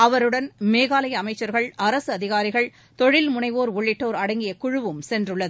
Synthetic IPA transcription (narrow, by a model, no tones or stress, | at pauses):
ɐʋɐɾɯɽɐnmeːɣaːlɐjɐɐmɐɪt͡ʃːɐɾɣɐɭɐɾɐsɯɐðɪɣaːɾɪɣɐɭ | t̪ɔɻɪlmʊnɐɪʋoːɾʊɭːɪʈːoːɾɐɽɐŋɡɪjɐkʊɻʊʋɯmsɛndrɯɭːɐðɯ